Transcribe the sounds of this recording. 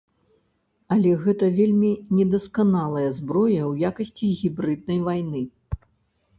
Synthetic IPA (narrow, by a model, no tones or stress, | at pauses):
ɐlʲɛɣɛt̪ɐvʲelʲmʲinʲɛd̪ɐskanalˠɐjɐzbɾɔjɐwjakɐsʲt͡sʲiɣʲibɾɨd̪̚nɐjvajnɨ